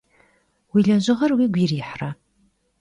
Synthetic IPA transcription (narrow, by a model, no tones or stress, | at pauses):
wiːɮɐʑɪʁɐrwiːɡʷiːriːħra